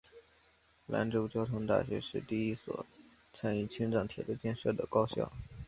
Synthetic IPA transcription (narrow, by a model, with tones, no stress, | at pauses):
la̰˧˥nʈ͡ʂo˥ʊt͡ɕjɑ˥ʊt̪ʰʊ˧˥ŋt̪a̰˥˩ɕɥɛ̰˧˥ʂɻ̩˥˧t̪i˥˩i˥swɔ̰˨˩ | t͡sʰa˥ny˥˩t͡ɕʰi˥ŋʈ͡ʂɑ˥˩ŋt̪ʰjɛ̰˨˩lə˥t͡ɕjɛ˥˧nʂɤ˥˩d̪ə̰˩kɑ˥ʊɕjɑ̰˥˩ʊ